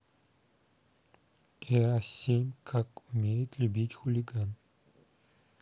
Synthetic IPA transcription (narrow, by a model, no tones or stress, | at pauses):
ɛasʲemʲkʰakʊmʲejɪt̪lʲʊbʲitʲxʊlʲɪɡan